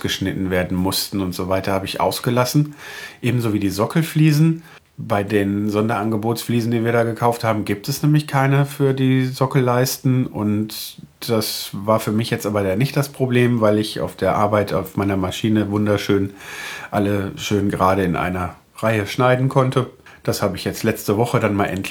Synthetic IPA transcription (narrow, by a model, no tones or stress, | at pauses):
sɡ̥əʃnɪtn̩veːɐdn̩mʊstn̩ʊntz̥ovaɪtɐhaːbəɪçʔa̰ʊsɡ̥əlasn̩ʔeːbm̩zoːviːdiːzɔkl̩fliːzn̩ | baɪdeːnzɔndɐʔanɡəboːtsfliːzn̩diːviːɐɾaːɡəkʰaʊfthaːbm̩ɡiːp̚tɛsnɛːmlɪçkʰaɪnəfyːɐdiːzɔkl̩laɪstn̩ʔʊ̰nt | d̥asvaːɐfyːɐmɪçjɛt͡stʔaːbɐdaːnɪçtd̥aspʁ̥obleːmvaɪlɪçʔa̰ʊfd̥eːɐʔa̰ɐbaɪtʰa̰ʊfmaɪnɐmaʃiːnəvʊndɐʃøːnʔaləʃøːnɡəʁaːɾəɪnʔa̰ɪnɐ | ʁaɪəʃnaɪdn̩kʰɔntʰə | d̥ashaːbəɪçjɛt͡stlɛt͡stəvɔχədanmaːlʔɛ̰nt